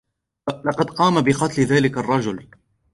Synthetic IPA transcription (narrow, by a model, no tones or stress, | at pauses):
lɑqɑd̪qɑːmabɪqɑt̪lɪðaːlɪkarˤːɑd͡ʒʊl